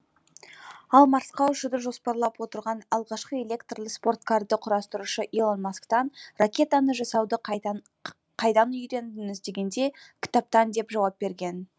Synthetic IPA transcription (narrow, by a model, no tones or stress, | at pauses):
ɑlˠmɑɾsqɑʏʃəd̪əʒo̞spɑɾlˠɑpwo̞t̪əɾʁɑnɑlˠʁɑʃqəelʲe̞kt̪rlˠəspo̞rt̪̚kʰaɾd̪əqʰʊɾɑst̪əɾuʃəʔilˠonmaskt̪ɑnrakʲe̞t̪anəʒɑsɑwd̪ə | qʰɑjd̪ɑnʏjd̪e̞nd̪ɪnɪzt̪e̞ɡʲe̞nd̪e̞kʲʰɪ̥t̪ap̚t̪ɑnd̪e̞pʒɑwɑp̚be̞ɾɡʲe̞n